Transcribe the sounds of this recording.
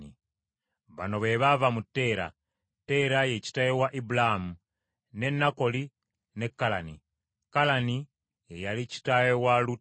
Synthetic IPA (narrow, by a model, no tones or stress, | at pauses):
i | βa̰no̞βe̞βavamutːe̞ːɾa̰ | te̞ɾajeci̥tajewaʔibulamu | ne̞nːako̞li | ne̞kːalani | kalani | jejalici̥tajewalu